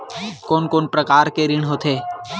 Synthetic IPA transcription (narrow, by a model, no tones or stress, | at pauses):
koːnkoːnpɾɐkaːɾkeɾɪɽ̃ɦoːt̪ʰeː